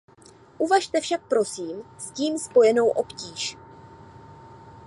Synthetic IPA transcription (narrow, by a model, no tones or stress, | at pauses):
ʔuvaʃt̪ɛfʃak̚pɾo̞siːmsciːmspo̞jɛno̞wʔo̞pciːʃ